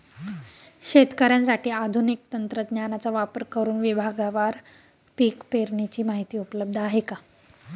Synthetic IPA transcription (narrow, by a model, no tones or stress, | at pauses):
ɕet̪kəɾjãnsaʈiːad̪ʱunik̚t̪ənt̪ɾəd̪njanat͡saʋapəɾkəɾuːnʋibʱaɡaʋaɾ | piːkpeɾɳit͡ɕiːmaɦit̪iːupləb̚d̪ʱəaɦeka